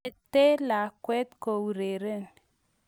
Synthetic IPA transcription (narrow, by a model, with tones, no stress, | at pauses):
t̪e˦la˨kwɛ˦t̪ko˨wu˨ɾe˨ɾe˦˨n